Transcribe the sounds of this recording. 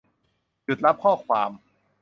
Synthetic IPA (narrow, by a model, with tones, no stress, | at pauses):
ju˨˩t̪̚ɾa˦˥p̚kʰɔː˥˩kʰwaː˧m